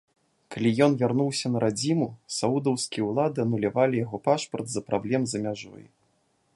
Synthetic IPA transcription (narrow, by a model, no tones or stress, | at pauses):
kalʲijɔnvʲarnuwsʲɐnɐɾʔad͡zʲimusaud̪ɐwskʲijɛwlˠad̪ɨɐnulʲavalʲijaɣɔpaʂpɐrd̪zɐpɾablʲɛmzɐmʲaʐɔ̰j